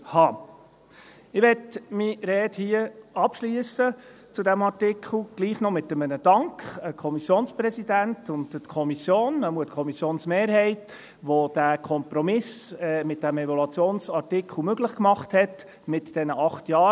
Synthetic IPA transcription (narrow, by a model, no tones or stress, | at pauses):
hɑː | ɪʋɛtmiɾɛːthiəɑpʃliəsə | t͡sudæmɑɾtɪkʰχl̩ˠɡ̥liːχnɔmɪt̪ːəmənəd̥ɑŋkχəkʰɔmisjoːnsprɛsidæntʊndtkʰɔmisjoːnːəmuətkʰɔmisjoːnsmeːɾɦɛɪt | ʋod̥ækʰɔmpɾɔmɪsɛmɪt̚d̥æmɛvɔlɑt͡sjoːnsɑɾtɪkχl̩møɡləχkmɑχthɛt | mɪtd̥ɛnəʔɑχtjɑː